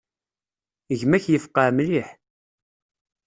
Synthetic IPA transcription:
əʝmæçjəfqəʕmliħ

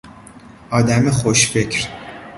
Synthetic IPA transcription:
ɒːd̪æmeχoʃfecʰɾ

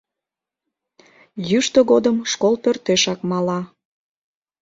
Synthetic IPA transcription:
jyʃt̪oɣod̪əmʃkolˠpørt̪eʃɑkmɑlɑ

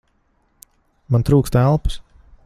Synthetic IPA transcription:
mant̪ɾuːkst̪ælˠpə̥s

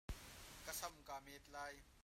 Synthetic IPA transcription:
kɐsɐmkaːmɛːt̪̚laːj

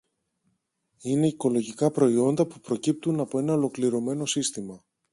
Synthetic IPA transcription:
ine̞iko̞lo̞ʝikɐpɾo̞io̞nd̪ɐpupɾo̞cip̚t̪unɐpo̞e̞nɐo̞lo̞kliɾo̞me̞no̞sist̪imɐ

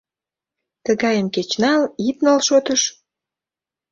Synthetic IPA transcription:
t̪əɣɑjənket͡ɕnɑlip̪̚nɑlʃot̪əʃ

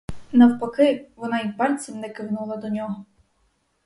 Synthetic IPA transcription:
nɐwpɐkɪʋɔnɑipɑlʲt͡sʲimnɛkɪwnulˠɐd̪ɔnʲɔɦɔ

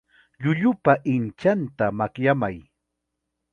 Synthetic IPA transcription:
ʎʊʎʊpaʔɪnt͡ʃant̪amakjamaj

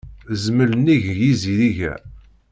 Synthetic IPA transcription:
zmələniʝjiziðiʝæ̰

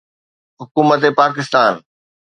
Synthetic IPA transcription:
ɦʊkuːmət̪epaːk̬ɪst̪aːn

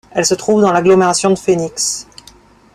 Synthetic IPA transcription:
ɛlsət̪χuvd̪ɑ̃laɡlɔmeʁasjɔ̃d̪əfeniks

